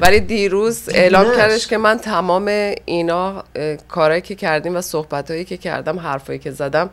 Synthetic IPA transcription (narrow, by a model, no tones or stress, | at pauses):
vælid̪iːɾuːze̞ʔlɒːmcʲʰæɾd̪e̞ʃke̞mænt̪ʰæmɒːme̞inɒːkʰɒːɾɒːjiːcʰe̞cʰæɾd̪iːmvæsohbæt̪hɒːjiːcʲʰecʰæ̰ɾd̪æmɦæɾfɒːjiːcʰe̞zæd̪æm